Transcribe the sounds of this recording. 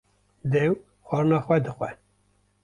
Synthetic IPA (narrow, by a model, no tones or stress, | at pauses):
d̪ɛw | xʷɑːɾɨnɑːxʷɛd̪ɨxʷɛ